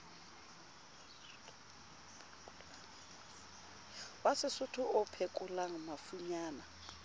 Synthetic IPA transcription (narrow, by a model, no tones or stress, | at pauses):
wasɪsʊtʰʊʊpʰekʼʊlaŋ̩mafuɲaːna